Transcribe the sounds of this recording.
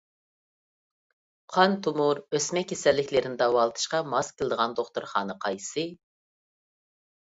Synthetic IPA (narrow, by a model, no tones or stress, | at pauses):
qʰɑnt̪ʰumuɾøsmɛkʲʰːesɛlːɪkʲlɪɾɪnɪd̪ɑwɑlˠɨt̪ʰɨ̥ʃqɑmɑskʲʰəlˠɨd̪əʁɑnd̪oχt̪uɾχɑ̰ːnɨqʰɑjsɨ